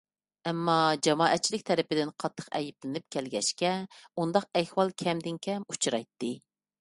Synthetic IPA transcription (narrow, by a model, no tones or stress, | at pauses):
ɛmːɑd͡ʒɑmɑːʔɛt̪̚t͡ʃʰilɪk̚ʲt̪ʰɛɾɪpɪd̪ɪnqʰɑt̪ʰːə̥qɛ̰jiplɪnɪp̚kʲʰɛlɡʲɛʃkʲɛund̪ɑq̚ɛhwɑlˠkʲʰɛmd̪ɪnkʲʰɛmut͡ʃʰɾɑjt̪ːɨ